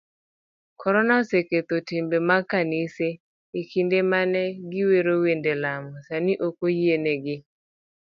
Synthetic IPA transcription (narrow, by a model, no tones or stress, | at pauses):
kʰɔɾɔnaoseket̪otimbemakanɪse | ekindemanɛɡɪweɾowendelamɔsaniʔokojieneɡɪ